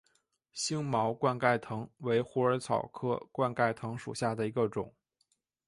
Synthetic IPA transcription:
ɕi˥ŋmɑ˧˥ʊkwa˥˧nka˥˩ɪt̪ʰɤ˧˥ŋwe˧˥ɪxu˧˥ə˞˧˥t͡sʰɑ˨˩ʊkʰɤ˥˧kwa˥˧nka˥˩ɪt̪ʰɤ˧˥ŋʂṵ˨˩ɕja˥˩d̪ə˩i˧˥ɡə˧ʈ͡ʂʊ˨˩˦ŋ

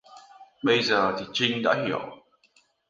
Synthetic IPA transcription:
ɓə˧jzəː˨˩t̪ʰi˨˩t͡ɕi˧ŋɗa̰ː˧˥hi˧˩˨əw

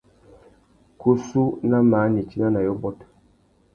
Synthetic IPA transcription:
ku˦su˦na˦maː˨˦ni˨t͡ʃi˦na˦na˨jɔ˦bɔ˦t

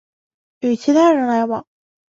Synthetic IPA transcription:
jy˨˩t͡ɕʰi˧˥t̪ʰa˥˩ɻə˧˥nla˧˥ɪwɑ̰˨˩˦ŋ

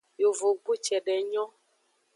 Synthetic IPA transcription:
jo˨vo˨ɡ͡bu˦t͡ʃɛ˨ɖɛ˨ɲɔ̃˦

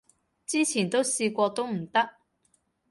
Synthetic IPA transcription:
t͡siː˥t͡sʰiː˨˩nt̪o˥wsiː˧kʷɔː˧t̪o˥wm̩˨˩t̪ɐ˥k̚

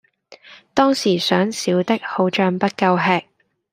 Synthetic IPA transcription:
t̪ɔː˥ŋsiː˨˩sœː˨˥ŋsiː˨˥wt̪ɪ˥k̚ho˨˥wt͡ʃœː˧ŋpɐ˥t̚kɐ˧wɦɛː˧k̚

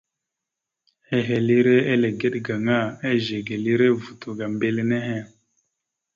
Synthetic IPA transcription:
e˦ɦe˨li˦ɾe˦e˦le˨ɡe˦ɗɡa˨ŋa˦˨e˦ʒe˨ɡe˨li˦ɾe˦vu˨tu˨ɡa˨m˦be˦lne˦ɦe˦

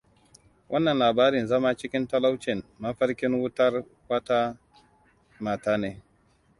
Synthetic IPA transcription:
wʔɐ˦nːɐ˨nlaː˨baː˦ɾɪ˨nzɐ˦ma˦t͡ʃɪ˦kʲɪ˦ntɐ˦la˦wt͡ʃɪ˨nmɐ˦ɸɐ˦ɾkʲɪ˦ŋwʊ˦tɐ˦r | wɐ˦taː˦ | maː˨taː˦neː˦

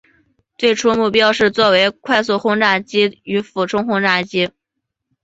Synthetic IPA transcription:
t͡swe˥˩ɪʈ͡ʂʰu˥mu˥˩pjɑ˥ʊʂɻ̩˥˧t͡swɔ˥˩we˧˥ɪkʰwa˥˧ɪs̬u˥˩xʊ˥ŋʈ͡ʂa˥˩t͡ɕi˥y˧˥fu˨˩ʈ͡ʂʰʊ˥ŋxʊ˥ŋʈ͡ʂa˥˩t͡ɕi˥

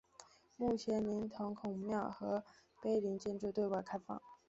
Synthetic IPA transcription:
mu˥˩t͡ɕʰjɛ˧˥nli˧˥nt̪ʰʊ˧˥ŋkʰʊ˨˩ŋmjɑ˥˩ʊxɤ˧˥ | pe˥˩ɪli˧˥ŋt͡ɕjɛ˥nʈ͡ʂu˥˧t̪we˥˧ɪwa˥˩kʰa˥ɪfɑ̰˥˩ŋ

